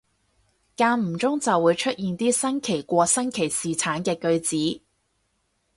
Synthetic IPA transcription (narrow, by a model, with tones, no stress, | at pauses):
kaː˧m̩˨˩t͡sʊ˥ŋt͡sɐ˨wːuː˨˧˥jt͡ʃʰɵ˥t̚jiː˨nt̪iː˥sɐ˥nkʰe˨˩jkʷɔː˧sɐ˥nkʰe˨˩jsiː˨t͡sʰaː˨˥nkɛː˧kɵ˧ɥt͡siː˨˥